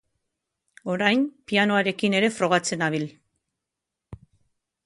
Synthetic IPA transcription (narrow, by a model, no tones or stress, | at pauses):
o̞ɾajnpiano̞aɾe̞kine̞ɾe̞fɾo̞ɣat͡se̞naβ̞il